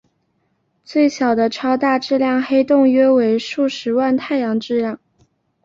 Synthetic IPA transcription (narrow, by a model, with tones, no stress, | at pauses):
t͡swe˥˩ɪɕjɑ˨˩ʊd̪ə˦ʈ͡ʂʰɑ˥ʊt̪a˥˧ʈ͡ʂɻ̩˥˧ljɑ˥˩ŋxe˥ɪt̪ʊ˥˧ŋɥɛ˥we˧˥ɪʂu˥˩ʂɻ̩˧˥wa˥˧nt̪ʰa˥˩ɪjɑ˧˥ŋʈ͡ʂɻ̩˥˧ljɑ˥˩ŋ